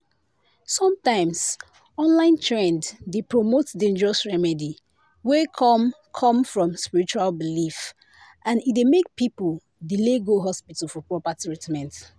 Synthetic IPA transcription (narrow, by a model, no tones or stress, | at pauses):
sɔ̃mtãɪ̃ms | ɔ̃nlãɪ̃ntʰɹɛ̃nddepɹomotdẽnd͡ʒəɹɔsɹɛmɛdi | wekʰɔm | kʰɔ̃mfɹɔ̃mspiɹit͡ʃualbilif | ʔãnitdemek̚pipul | dileɡoɦɔspitafɔpɹɔpatɹitmɛ̃nt